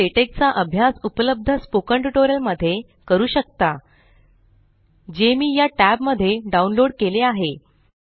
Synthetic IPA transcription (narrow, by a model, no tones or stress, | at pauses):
eʈek̚t͡saʔəbʱjasupələb̚d̪ʱəspokəɳʈuʈoɾijəlməd̪ʱːje | kəɾuːɕək̚t̪a | d͡ʑemiːjaʈæbməd̪ʱːjeɖaunloɽkeleaɦe